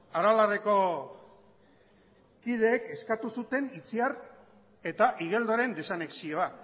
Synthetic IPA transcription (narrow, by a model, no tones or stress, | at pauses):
aɾalareko̞ | kið̞e̞ːke̞skat̪usut̪e̞nit͡siar | e̞t̪aʔiɣ̞e̞ld̪oɾe̞nd̪e̞saneksio̞a